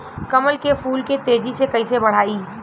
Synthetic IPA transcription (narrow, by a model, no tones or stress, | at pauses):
kɐməlkepʰuːlket̪eːd͡ʒisekɐisebəɽ̤aːiː